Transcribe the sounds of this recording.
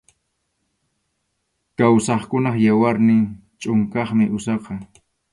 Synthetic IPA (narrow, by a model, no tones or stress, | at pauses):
kawsɑχkʊnɑχjawaɾnɪŋt͡ʃʼʊŋkɑχmɪʔʊsɑqɑ